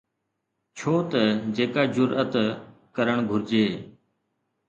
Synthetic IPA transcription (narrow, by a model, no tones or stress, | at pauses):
t͡ʃʰoːt̪əd͡ʒeːkaːd͡ʒʊɾət̪ | kəɾəɳɡʱʊɾd͡ʒeː